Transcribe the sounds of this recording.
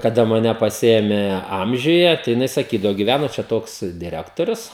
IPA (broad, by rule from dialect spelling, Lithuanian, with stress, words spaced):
kɐˈdɐ mɐˈnʲɛ pɐˈsʲɪeːmʲeː ˈɐmʲʒʲʊjɛ tɐɪ jɪˈnɐɪ sɐˈkʲiːdɐʋoː ɡʲɪˈʋʲænoː t͡ʃʲɛ ˈtoːks dʲɪˈrʲæːktoːrʲʊs